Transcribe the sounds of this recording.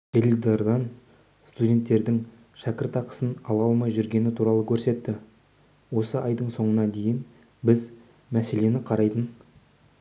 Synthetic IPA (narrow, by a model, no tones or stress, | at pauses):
delʲid̪ɑɾd̪ɑn | st̪udʲe̞nt̪ːe̞ɾd̪ɪŋ | ʃækʲɪɾt̪ɑqə̥sənɑlˠɑlˠmɑjʒʏɾɡʲe̞nɪt̪ʰuɾɑlˠəkʲʰɵɾse̞t̪ːɪ | wo̞səʔɑjd̪əɴso̞ɴənɑd̪e̞jɪn | bɪz | mæse̞le̞nɪqʰɑɾɑjd̪ən